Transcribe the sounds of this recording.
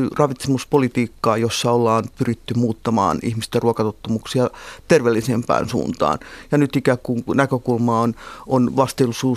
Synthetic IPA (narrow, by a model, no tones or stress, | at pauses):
yrɑʋit̪semuspolit̪iːkːɑːjosːɑolːɑːnpyrit̪ːymuːt̪ːɑmɑ̰ːnihmist̪æruokɑt̪ot̪ːɑmuksiɑt̪erʋelːisempæ̰ːnsṵːnt̪ɑ̰ːnjɑnyt̪ikækkuŋnækøkulmɑːononʋɑst̪elːusuː